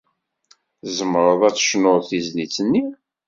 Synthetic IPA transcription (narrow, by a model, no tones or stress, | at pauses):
zəməɾˤəðˤæt͡sːə̥ʃnoθizlit͡sːənːi